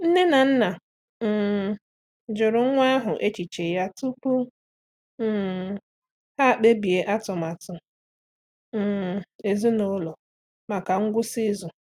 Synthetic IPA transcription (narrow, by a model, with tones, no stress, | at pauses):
n̩˦ne˦na˨n̩˦na˨ | m̩˨ | d͡ʒʊ˨ɾʊ˨ŋ̩˦ŋʷa˦a˦ɦʊ˨ʔe˦t͡ʃi˨t͡ʃe˨ja˦tu˦k͡pu˦˨ | ha˦˨k͡pe˦bi˨e˦ʔa˦tʊ˨ma˨tʊ˨ | e˨zu˦no˦lɔ˨ | ma˨ka˨ŋ̩˦ɡʷʊ˦si˦zʊ˨